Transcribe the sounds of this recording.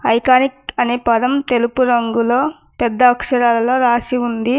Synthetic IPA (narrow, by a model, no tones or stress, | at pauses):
ɐjkaːnikɐnipɐd̪ɐmt̪e̞lupuɾɐŋɡulo̞ː | pɛd̪ːɐːkʂɐɾaːlɐlo̞ːɾaːsiund̪i